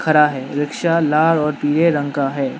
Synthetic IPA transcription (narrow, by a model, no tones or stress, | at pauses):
kʰɐɾaɦɛːɾɪkʃalaːɾɔːɾpiːɾeɾɐ̃ŋɡkaɦɛː